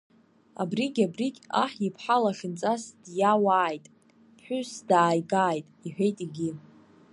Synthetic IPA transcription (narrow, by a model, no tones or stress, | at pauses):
a̰briɡʲabrikʲa̰ħipʰħalaχɪnt͡sʼasd̥jawaːjtʼ | pʰħʷʊsdaːjɡaːjtʼiħᶣejtʼiɡʲi